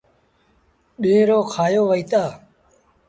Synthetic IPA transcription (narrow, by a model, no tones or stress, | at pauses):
ɗeːɾoːkʰaːjoːʋəiːt̪aː